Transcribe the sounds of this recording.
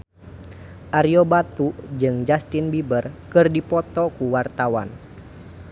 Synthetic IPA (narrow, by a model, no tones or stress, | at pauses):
ʔaɾiɔbat̪ud͡ʒɨŋd͡ʒast̪ɪnbibərkɨrdipɔt̪ɔkuwart̪awa̰n